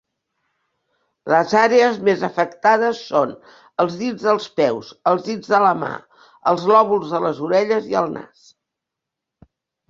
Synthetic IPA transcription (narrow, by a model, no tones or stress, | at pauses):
ləzaɾeəzmezəfəkt̪að̞əsːon | əlˠzðid͡zðəlˠspɛwsəlˠzðid͡zðələma̰ | əlˠzlɔβulˠzðələzuɾɛʎəziə̰lˠna̰s